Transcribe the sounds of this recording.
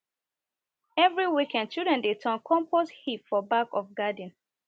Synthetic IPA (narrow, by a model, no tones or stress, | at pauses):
ɛvɹiwikɛ̃nd̚t͡ʃudɹɛ̃ndetʰɔ̃nkʰɔ̃mposthipfɔbakɔfɡad̃n̩